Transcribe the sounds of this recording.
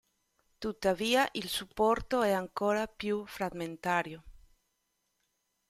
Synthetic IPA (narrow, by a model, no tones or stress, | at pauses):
t̪ut̪ːaviːaʔilsupːɔɾt̪oɛaŋkoːɾapjufɾaɡment̪aːɾjo